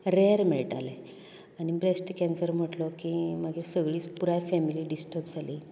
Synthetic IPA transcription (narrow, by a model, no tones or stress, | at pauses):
ɾeəɾmiɭʈale | anibɾesʈkɛ̃nsəɾm̤əʈlɔkiməɡiːsəɡɭiːt͡spuɾajfɛmiliːɖisʈəpd͡zʱaliː